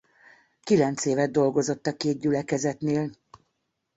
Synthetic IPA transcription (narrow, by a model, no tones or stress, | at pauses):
kilɛnt̪seːvɛd̪̚d̪ːo̞lɡo̞zo̞t̪ːɒkeːd̪̚ɟylɛkɛzɛt̪neːl